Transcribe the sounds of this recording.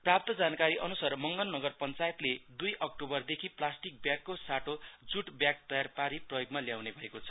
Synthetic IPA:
prap̚t̪ʌd͡zankaɾiʔʌnusarmʌŋɡʌnːʌɡʌrpʌnt͡sajet̪led̪ujʔʌk̚ʈobʌrd̪ekʰiplasʈik̚bjakːosaʈod͡zuʈbjak̚t̪ʌjarpaɾiprʌjoɡmaljawnebʱʌekot͡sʰʌ̥

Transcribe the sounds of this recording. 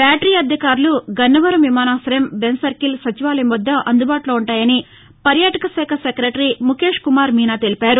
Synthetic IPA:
baːʈɾiːɐd̪ʱjɐkaːɾuluɡɐnːɐʋɐɾɐmʋimaːnaːsɐɾɐmbensɐɾkilsɐt͡ʃiʋaːlɐjmɔd̪ːɐʔɐnd̪ubaːʈuloːuɳʈaːjɐni | pɐɾjaːʈɐkɐsɛːkʰɐsekɾeʈɾimukeːʂkumaːɾmiːnaːt̪e̞lipaːɾu

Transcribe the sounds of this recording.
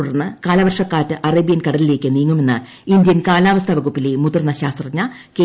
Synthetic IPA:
uɽɐrnːɨkaːlɐʋɐrʂɐkːaːtːɨʔɐreːbijɐnkɐɽɐlile̞ːkʲːɨniːŋːume̞nːɨ | ind̪jɐnkaːlaːʋɐst̪ʰɐʋɐɣupːilemut̪ːrnːɐɕaːst̪rɐɲːɐ | ke

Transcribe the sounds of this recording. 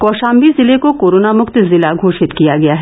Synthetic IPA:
kɔːʃaːmbizɪlekokoːɾoːnamʊkt̪zɪlaɡʱoːʃɪt̪kijaɡɐjaɦɛ

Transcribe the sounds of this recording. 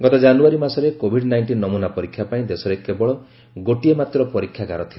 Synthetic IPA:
ɡɔt̪ɔd͡ʒanuaɾimasɔɾekobʱiɖnajɳʈinːɔmunapɔɾikʰːjapaĩd̪esɔɾekebɔɭɔ | ɡoʈiemat̪ɾɔpɔɾikʰjaɡaɾɔt̪ʰil

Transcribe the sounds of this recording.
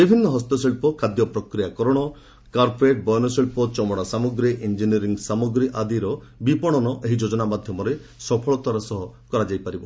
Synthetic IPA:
d̪ibʱinːɔɦɔst̪ɔselpɔkʰad̪jɔpɾɔkɾijakɔɾɔɽ̃ɔ | kaɾpʰeʈ̚bɔjnɔseɭpɔt͡ʃɔmɔɽ̃asamɔɡɾiʔind͡ʒiniɔɾiŋɡsamɔɡɾiʔad̪iɾɔ | bipɔɽ̃ɔnɔʔeɦid͡ʒod͡ʒɔnamad̪ʱjɔmɔɾesɔpʰɔɭɔt̪waɾasɔɦɔkɔɾad͡ʒajpaɾibɔ

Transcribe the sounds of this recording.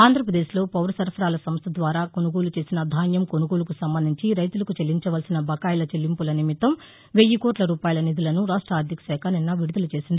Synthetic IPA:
aːnd̪ʱɾɐpɾɐd̪e̞ːʃlo̞ːpɐwɾɐsɐɾpʰɐɾaːlɐsɐmst̪ʰɐd̪ʋaːɾaːko̞nuɡo̞ːlut͡ʃe̞ːsinɐd̪ʱaːnjɐmko̞nuɡo̞ːlukusɐmbɐnd̪ʱiɲt͡ʃiɾɐjt̪ulɐkut͡ʃelːiɲt͡ʃɐʋɐlsinɐbʱɐkaːjlɐt͡ʃelːimpulɐnimit̪ɐm | ʋejːikoːʈlɐɾuːpaːjɐlɐnid̪ulɐnuɾaːʂʈɾaːd̪ʱjɐksɛːkʰɐninːɐʋiɽud̪ɐlut͡ʃe̞ːsind̪ii

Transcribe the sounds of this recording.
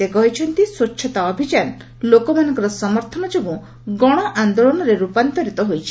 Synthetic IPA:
ekɔɦit͡ʃʰɔnt̪isotːʃʰɔt̪aɔbʱid͡ʒan | lokɔmanɔŋkɔɾɔsɔmɔɾt̪ʰɔnɔd͡ʒebu | ɡɔɽ̃ɔʔand̪oɭɔnɔɾeɾupant̪ɔɾit̪ɔɦojt͡ʃʰi̥

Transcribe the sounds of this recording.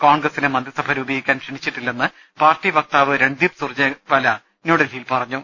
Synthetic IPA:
koːɳɡrɐsinemɐnd̪ɾisɐbʱɐɾuːbejikʲːaːnpʂeɳit͡ɕːiʈːilːenːɨ | paːrtːiʋɐk̚t̪aːʋɨɾe̞ɳɖ̪ipsurt͡ɕːɐpɐlɐ | noːɽɐlijilpɐrɐɲːu

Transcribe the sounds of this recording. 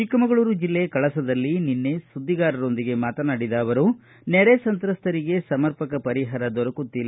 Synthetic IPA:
t͡ʃikːɐmɐɡɐɭuːɾud͡ʒilːejɐkɐɭɐsɐd̪ɐlːininːe̞sud̪ʱːiɡaːɾɐɾo̞nd̪iɡe̞maːt̪ɐnaːɽid̪ɐɐʋɐɾu | nɛɾesɐnt̪ɾɐst̪ɐɾiɡe̞sɐmɐɾpɐkɐpɐɾiɦaːɾɐd̪ɔɾɐkut̪ːilː

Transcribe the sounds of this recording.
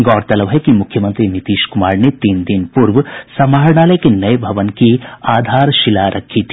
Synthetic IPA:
ɡɔːɾt̪ɐlɐʋɦɛkimʊkʰjɐmɐnt̪ɾinit̪iːʃkumaːɾnet̪iːnd̪inpuɾʋsɐmaːɾɳaːlɐjkenɐjbʱɐʋɐnkiaːd̪ʱaːɾʃilaːɾʔɐkʰiːt̪ʰi

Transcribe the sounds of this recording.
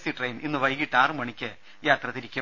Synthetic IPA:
siʈrɐjninːɨʋɐjɡiʈːaːrɨmɐɳikʲːɨ | jaːt̪rɐt̪iɾikʲːɐ

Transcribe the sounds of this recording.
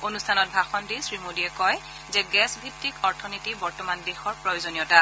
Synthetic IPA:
onustʰanɔt̚bʱaxɔndisɹimodiɛkɔj | zɛɡɛsbʱitːikɔɹtʰɔnitibɔɹtɔmandexɔɹpɹɔjozonijɔta

